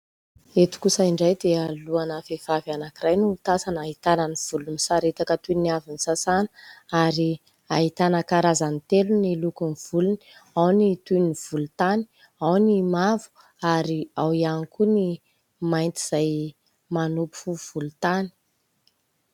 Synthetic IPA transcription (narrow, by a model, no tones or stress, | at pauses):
et̪u̥kusəiɳɖ͡ʐajd̪ealuanəfev̥avanakirajnuːt̪asanaɦit̪anəniv̥ulunisaɾet̪akət̪uniavinisasanə̥aɾi | ait̪anəkaɾazanit̪elunilukuniv̥uluni̥awnit̪univ̥ulut̪ani̥ | awnimavu̥ | aɾiawianikuni | majnt̪iz̥aj | manupu̥fuv̥ulut̪ani̥